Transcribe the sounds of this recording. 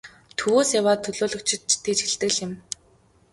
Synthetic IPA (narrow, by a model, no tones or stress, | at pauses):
t̪ʰɵwoːsjawaːt̪ʰːɵɮoːɮɵ̆kt͡ɕʰɪ̆t̪̚t͡ɕt̪eːt͡ɕxɪ̆ɮt̪ɘ̆ɮɪ̆m